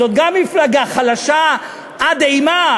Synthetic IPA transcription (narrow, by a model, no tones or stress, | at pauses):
ot̪̚ɡamːiflaɡaχalaʃa | ad̪ejma